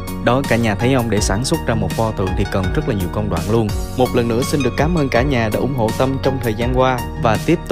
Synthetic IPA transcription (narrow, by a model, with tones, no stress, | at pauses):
ɗɔ˨˦kaː˧˩˥ɲaː˨˩t̪ʰə˨˦jʔə˧wŋ͡mɗe˧˩saː˧˩nswə˦˥t̚zaː˧mo˨˩t̚fɔ˧t̪ɨ̰˧˩əŋt̪ʰi˨˩kə˨˩nzə˦˥t̚laː˨˩ɲi˨˩əwkə˧wŋ͡mɗwa̰ː˧˨nlu˧ənmo˨˩t̚lə˨˩nːɨ̰˧˥əsi˧nɗɨ˨˩əkːaː˨˦mʔəː˧nkaː˧˩ɲaː˨˩ɗḛ˧˥ʔʊ˧˩ŋ͡mɦo̰˧˨t̪ə˧mt͡ɕɔ˧wŋ͡mt̪ʰəː˨˩jzaː˧nkwaː˧ | vaː˨˩t̪i˦˥əp̚t̪ʊ˧